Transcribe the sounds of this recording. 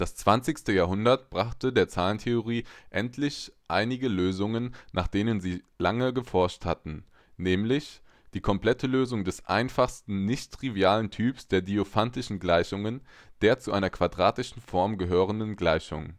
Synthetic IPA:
d̥ast͡sv̥ant͡sɪçstəjaːɦʊndɐtb̥ʁaχtədeːɐt͡saːləntʰeoʁ̞iːʔɛ̰ntʰlɪçʔaɪnɪɡəløːzʊŋənːʔaːχd̥eːnənziː | laŋəɡəfɔɐʃtha̰tn̩ | nɛːmlɪç | d̥iːkʰɔmpl̥ɛtʰəløːzʊŋdɛsʔa̰ɪnfaχstn̩nɪçtʁ̥ivjaːləntʰyːpsd̥eːɐdiofantɪʃn̩ɡlaɪçʊŋənd̥eːɐt͡suʔaɪnɐkv̥adʁaːtɪʃn̩fɔɐmɡəɦøːʁ̞əndnɡlaɪçʊ̰ŋ

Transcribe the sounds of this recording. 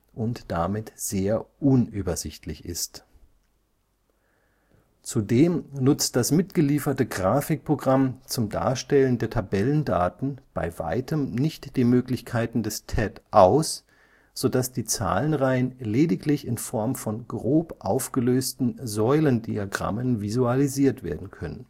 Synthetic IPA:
ʔʊntd̥amɪtz̥eːɐʔʊnʔyːbɐzɪçtʰlɪçɪ̰st | t͡sudeːmnʊt͡st̚d̥asmɪtɡ̥əliːfɐtəɡʁaːfɪk̚pʁ̥oɡʁamt͡sʊmda̰ːɐʃtɛləndeːɐtʰabɛləndaːtn̩b̥a̰ɪva̰ɪtʰəmnɪçtd̥iːmøːklɪçkʰaɪtn̩dɛstʰɛtʔaʊs | z̥odasd̥iːt͡sa̰ːlənʁaɪənleːdɪklɪçɪnfɔɐmfɔnɡʁoːpʔaʊfɡ̥əløːstn̩zɔʏləndiaɡʁa̰mənvizualiziːɐtv̥eːɐdn̩kʰœnə̰n

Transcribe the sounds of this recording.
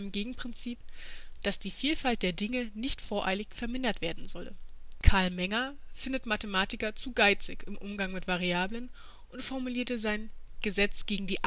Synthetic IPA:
mɡeːɡŋ̩pʁ̥ɪnt͡siːpd̥asd̥iːfiːlfalt̚d̥eːɐdɪŋənɪçtfoːɐʔa̰ɪlɪçfɛɐmɪndɐtv̥eːɐdn̩zɔləkʰaɐlmɛŋɐfɪndətmatəmaːtɪkɐt͡suːɡaɪt͡sɪ̰çɪmʔʊmɡaŋmɪtv̥aʁiaːblən | ʔʊntfɔɐmuliːɐtəzaɪnɡ̥əzɛt͡sɡ̥eːɡŋ̩diːʔ

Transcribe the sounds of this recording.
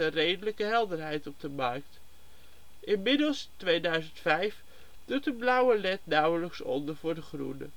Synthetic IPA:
ərejdələkəɦɛlˠdəɹɦɛjtɔb̚dəmɑɹk̚t | ʔɪnmɪdəlˠstʋejdœɥzəntfɛjf | d̥utəblʌwəlɛtnɑwələksɔ̰ndəɹvʊːɹdəχrṵnə̰

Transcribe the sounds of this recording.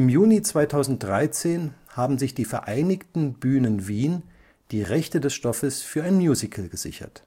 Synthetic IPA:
ʔɪmjuːnit͡sv̥aɪtʰaʊzn̩t̚d̥ʁaɪt͡seːnhaːbm̩zɪçd̥iːfɛɐʔaɪnɪçtn̩byːnənviːn | d̥iːʁɛçtədɛsʃtɔfəsfyːɐaɪnmjuːzɪkʰlɡəz̥ɪ̰çɐ̰t

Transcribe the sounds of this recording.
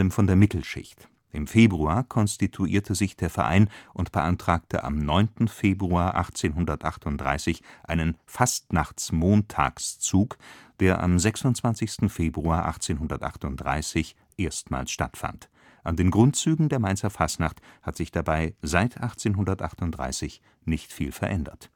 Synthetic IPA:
ləmfɔndeːɐmɪtl̩ʃɪ̰çt | ʔɪmfeːbʁuaːɐkʰɔnstitʰuʔḭːɐtʰəzɪçd̥eːɐfɛɐʔa̰ɪnʔʊntb̥əʔantʁ̥aːk̚tʰəʔa̰mnɔʏntn̩feːbʁuaːɐʔaχt͡seːnɦʊndɐtʔa̰χtʊnt̚d̥ʁa̰ɪsɪçʔaɪnənfastnaχt͡smoːntʰa̰ːkst͡suːkd̥eːɐʔa̰mzɛksʊntt͡sv̥ant͡sɪçstn̩feːbʁuaːɐʔa̰χt͡seːnɦʊndɐtʔa̰χtʊnt̚d̥ʁa̰ɪsɪç | ʔeːɐstma̰ːlsʃta̰tfa̰nt | ʔandeːnɡʁʊntt͡syːɡŋ̩deːɐmaɪnt͡sɐfastnaχthatz̥ɪçd̥abaɪzaɪtʰʔaχt͡seːnɦʊndɐtʔaχtʊntd̥ʁa̰ɪsɪç | nɪçtfiːlfɛɐʔɛndɐ̰t

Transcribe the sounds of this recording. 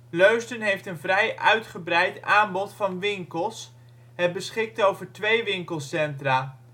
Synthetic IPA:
løɥstənɦejftənvrɛjʔœɥtχəbrɛjtaːmbɔtfɑnʋɪŋkəlˠs | ɦət̚bəsχɪk̚towvəɹtʋejʋɪŋkəlˠsɛntraː

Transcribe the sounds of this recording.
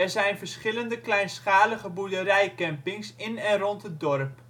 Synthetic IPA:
ɛrzɛjnvərsχɪləndəklɛjnsχaːləχəbudəɾɛjkɛmpɪŋsɪnɛnrɔntədɔrp

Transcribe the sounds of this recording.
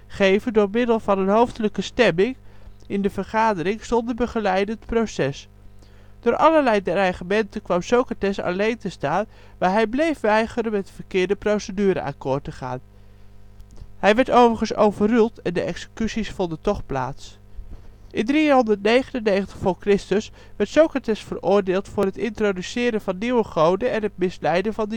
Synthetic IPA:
χejvəndʊːɹmɪdəlˠvɑnənɦowftələkəstɛmɪŋɪndəvəɹχaːdəɾɪŋstɔndəbəχəlɛjdəətprowsɛs | d̥ʊːɹʔɑ̰ləɹlɛjdɛɹɑɹχəmɛntəkʋɑmsowkatɛsɑ̰lejntəstaːn | ʋaːɹɦɛjblejfʋɛjχəɾənmɛtfəɹkɪːɹdəprowsədyːɾə̰ʔa̰kʊɹtəχa̰ːn | hɛjʋɛɹtowvəɹχənso̰wvərylˠtɛndəʔɛksə̥kysisfɔndəntɔχpla̰ːts | ʔɪndriɦɔndəɹtnejχənənːejχəntə̥χfʊːɹkrɪstəs | ʋɛɹtsowkratɛsfərʊːɹdɪːlˠtfʊːrɦətɪntrodysɪːɾəvɑnːiwəχowdəɛnɦətmɪslɛjdəvɑndə

